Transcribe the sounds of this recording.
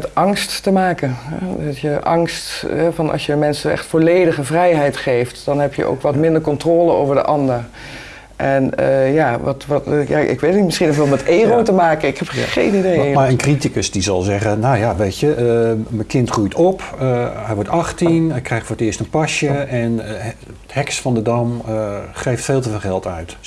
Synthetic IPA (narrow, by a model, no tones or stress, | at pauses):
tʔɑŋstːəmaːkəɦɛ̰dtjəʔɑ̰ŋstɦɛvɑnʔɑ̰sjəəmɛnsənɛ̰χtfolejdəχəvrɛjɦɛjtχejftd̥ɑnɦɛpjə̰ʔo̰wkʋɑtmɪndəɹkɔntroːləo̰wvəɹdə̰ʔɑndəɹ | ʔɛnəjaːʋɑtʋtja̰ʔɪ̰kʋeːtənitmɪsχinɔflmɛteːroːtəmaːkənɪkhɛpχḛjnidejmaənkritikəsdizɑlˠzɛɣənawjaʋetəməkɪntχrujtʰɔpəɦɛjʋɔɹtɑχtinɛkrɛjxtfoːɹətɪːəstənpɑʃjəɛn | hɛksfɑndədɑmχejftfeːlˠtəveːlˠχɛlˠtœɥt